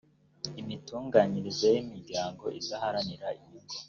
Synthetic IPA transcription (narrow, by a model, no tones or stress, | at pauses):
imituːŋɡaːɲiɾizejimiɾɟaːŋɡo̞̰ʔizahaɾaniɾaimuɡo